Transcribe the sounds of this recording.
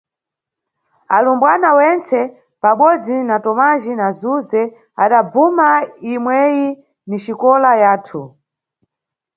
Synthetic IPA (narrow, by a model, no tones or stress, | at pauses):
alumbwanawɛnt͡sɛ | paɓɔd͡zinatɔmaʒinazuzɛ | a̰ɗabumaimwɛji | niʃikɔlajaːtʰu